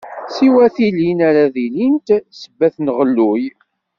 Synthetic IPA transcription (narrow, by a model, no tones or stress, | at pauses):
siwæθilinæɾaðilint̪səbːæθnʁəlːuj